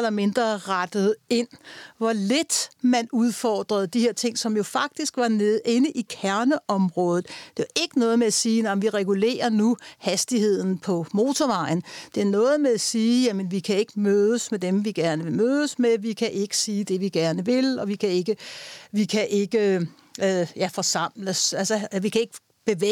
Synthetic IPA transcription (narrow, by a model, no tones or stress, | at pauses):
lɐme̝nd̥ʁɐʁad̥əð̞̩ˠe̝n̰ʋɒled̥mænuð̞ˠfɒ̰ːd̥ʁɐð̞̩ˠd̥ihe̝ɐt͡sʰe̝ŋ̰sɒ̽mjo̝fɑ̈ɡ̥̚d̥isɡ̥ʋɑ̈neðˠe̝nəʔikʰæɐnəʔɒ̽mʁɔ̽ːð̞ˠð̩ˠd̥e̝ɑʔe̝ɡ̥ənɔ̽ːð̞̩ˠmeæsiːnɑmʋiʁɛɡ̥ule̝̰ːɐnuhæsd̥ihe̝ð̰ˠn̩pʰɒ̽mo̝ːt͡sʰɒʋɑ̈ɪn̩d̥e̝æɐnɔ̽ːð̞̩ˠmeæsiːjæmənʋikʰæe̝ɡ̥əmøðˠəsmed̥emʋiɡ̥æɐnəʋe̝møːðˠəsmeʋikʰæʔe̝ɡ̥ə̥siːd̥e̝ʋiɡ̥æɐnəʋe̝lɒ̽ʋikʰæe̝ɡ̥əʋikʰæʔe̝ɡ̥ə | jæfɒ̽sɑ̈m̰ləsælsɐʋikʰæe̝ɡ̥ə̥ | b̥e̝ʋe